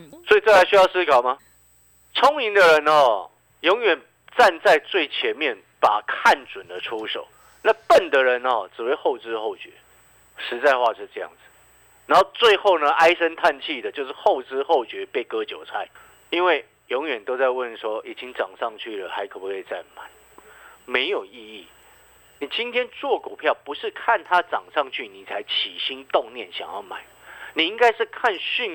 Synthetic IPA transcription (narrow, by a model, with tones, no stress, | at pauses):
swɔ˧˥i˨t͡sɤ˥˩a˧˥ɪɕy˥jɑ˥˩ʊsɹ̩˥kʰɑ˨˩ʊma˨˦ | t͡sʰɔ˦˥ŋi˧˦ŋd̪ə˨ɻə˧˦nɔ˨ | jɔ˧˥ŋɥɛ˨˩n | t͡sa˥˧nt͡sa˥˧ɪt͡swe˥˩ɪt͡ɕʰjɛ˨˦˥nmjɛ˥˩n | pa˨˩kʰa˥˨nt͡swə˨˩nd̪ə˦ʈ͡ʂʰu˦ʂo̰˨˩˦ʊ | na˥˧pə˥˨nd̪ə˨ɻə˧˦nɔ̰˨t͡sɻ̩˨˩we˥˧ɪxo˥˩ʊt͡sɹ̩˥xo˥˩ʊt͡ɕɥɛ̰˧˦ | ʂɻ̩˧˥t͡sa˥˧ɪxwa˥˧ʂɻ̩˥˧ʈ͡ʂɤ˥˧jɑ̰˥˩ŋd͡zɨ˨˩ | na˧˦nho˥˧ʊt͡swe˥˧ɪxo˥˩ʊnə˨ʔa˥ɪʂə˦nt̪ʰa˥˧nt͡ɕʰi˥˨d̪ə˩t͡ɕjo˥˧ʊʂ̬̩˥˧xo˥˩ʊt͡sɹ̩˥xo˥˩ʊt͡ɕɥɛ˧˥pe˥˩ɪkɤ˦t͡ɕjo˨˩ʊt͡sʰa˥ɪ | i˦˥nwe˥˩ɪ | jɔ˧˥ŋɥɛ˨˩nt̪o˥ʊt͡sa˥˧ɪwə˥˨nʂwɔ˥i˨˩t͡ɕi˦˥ŋʈ͡ʂɑ˨˩ŋʂɑ˥˧ŋt͡ɕʰy˥˩lə̰˩xa˧˥ɪkʰɤ˨˩pu˨˥kʰe˥˧ɪt͡sa˥˩ɪma̰˨˩˦n | me˧˥ɪjo˨˩ʊi˥˧i˥˩ | ni˨˩t͡ɕi˥nt̪ʰjɛ˥nt͡swɔ˥˨ku˨˩pʰjɑ˥˩ʊpu˧˥ʂɻ̩˥˧kʰa˥˨nt̪ʰa˦˥t͡sɑ˨˩ŋʂɑ˥˧ŋt͡ɕʰy˥˩ni˨˩t͡sʰa˧˦˥ɪt͡ɕʰi˨˩ɕi˦˥nt̪o˥˧ŋnjɛ˥˨˩nɕjɑ̰˨˩ŋjɑ̰˥˩ʊma̰˨˩˦ɪni˨˩i˦˥ŋka˥ɪʂɻ̩˥˧kʰa˥˧nɕy˥˨˩n